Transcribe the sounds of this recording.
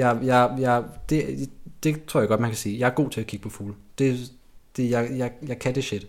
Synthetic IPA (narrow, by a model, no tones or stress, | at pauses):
jɑɪjɑɪjɑd̥e̝d̥e̝t͡sʰo̝ɐ̰jɡ̥ɒ̥̽mænkʰæsiːjɑ̈ɪæɐɡ̥o̝̰ːt͡sʰe̝ækʰiɡ̥əpʰɒ̽fuːld̥e̝ | d̥ejɑɪjɑɪjɑ̈ɪkʰæd̥e̝ɕed̥